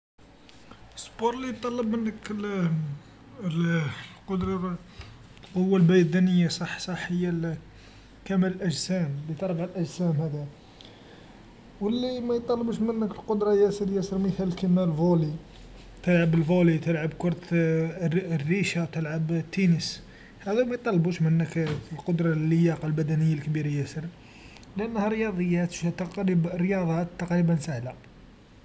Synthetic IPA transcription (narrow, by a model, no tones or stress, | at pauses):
əspoɾˤlijt̪ˤːɑlːəbmənːək | lqod̪ɾˤɑ | hʊwːælbæjd̪ænəjːasˤɑħsˤɑħːəjːæ | kæmæləlʔəʒsæmlit̪ɑɾˤbalʔæʒsæmhæd̪æ | wəlːimæjt̪ˤːɑlːəbəʃmənːəkəlqʊd̪ɾˤɑjæsəɾjæsəɾməθælkəmælvoli | t̪əlʕabəlvolit̪əlʕabkʊɾˤt̪ | rːiʃawt̪əlʕabt̪ːinəs | hæd̪æwmæjt̪ˤːɑlːbuʃmənːəklqod̪ɾˤɑlːəjɑqɑlbæd̪ænəjːalkbiɾajæsəɾ | lʔənːhæɾəjɑd̪ˤəjːæt̪qɾibɾəjɑd̪ˤɑt̪ːɑqɾibənsahla